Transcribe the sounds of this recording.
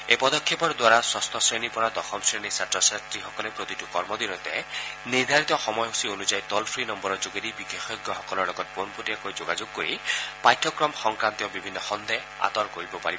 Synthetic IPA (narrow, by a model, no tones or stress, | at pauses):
epɔd̪ɔkʰjepɔɾd̪waɾaswast̪ʰɔsɹenipɔɾad̪ɔxɔmsɹenisatɹɔsatɾixɔkɔlepɾot̪itukɔɹmɔd̪iɾɔt̪ɛ̰niɾd̪ʱaɾit̪ɔxɔmɔjɦusionud͡ʒajt̪ɔlpʰɹinɔmbɔɾɔd͡ʒoɡeɾibixexɔjɡjɔxɔkɔlɔɹlɔɡɔt̪̚ponpotijakojd͡ʒoɡad͡ʒoɡ̚kːoɾipajtʰːɔkɾɔmxɔŋkɾant̪iɔbibʱinːɔxɔnd̪e | a̰t̪ɔɾkoɾibɔpaɾibɔ